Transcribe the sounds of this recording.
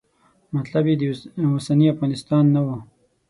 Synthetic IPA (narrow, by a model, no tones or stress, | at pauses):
mat̪labjed̪əwasaniafɣɑnɪst̪ɑnːawə